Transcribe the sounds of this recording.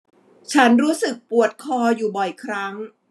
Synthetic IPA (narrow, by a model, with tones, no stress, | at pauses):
t͡ɕʰa˦˥nɾuː˦˥sɯ˨˩k̚pu˨˩ət̪̚kʰɔː˧juː˨˩bɔ˨˩jkʰɾa˦˥ŋ